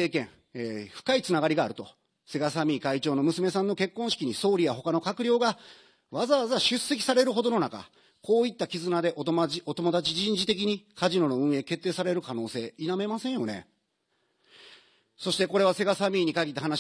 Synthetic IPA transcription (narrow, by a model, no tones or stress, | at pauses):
e̞ːkẽ̞ŋ | eːɸɯ̥kait͡sɨnaɡaɾʲiɡaːɾɯ̟t̪o̞̰ | se̞ɡasamʲiːkait͡ɕo̞ːno̞mɯsɨme̞sãnːo̞ke̞kːõ̞ɰ̃ɕi̥kʲiɲ̟iso̞ːɾʲijaɦo̞kano̞kakɯ̟ɾʲo̞ːɡa | βazaβazaɕɨse̞k̬ʲi̥saɾe̞ɾɯ̟ɦo̞d̪o̞no̞naka̰ | ko̞ːit̪ːakʲizɨnad̪e̞ʔot̪o̞mo̞d̪at͡ɕiʑĩɲ̟d͡ʑit̪e̞k̬ʲiɲ̟ikaʑino̞no̞ɯ̟̃ɰ̃e̞ːke̞t̪ːe̞ːsaɾe̞ɾɯ̟kano̞ːse̞ːiname̞masẽ̞ɰ̃jo̞̰ne̞̰ | so̞ɕit̪e̞ko̞ɾe̞β̞ase̞ɡasamʲiːɲ̟ikaɡʲit̪ːaɦanaɕ